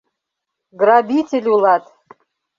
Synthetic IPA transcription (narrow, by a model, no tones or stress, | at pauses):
ɡrabʲitʲelʲulˠɑt̪